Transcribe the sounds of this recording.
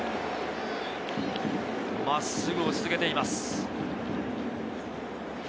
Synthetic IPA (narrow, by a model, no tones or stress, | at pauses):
masːɨɡɯ̟osɨzɨke̞t̪e̞imasɨ̥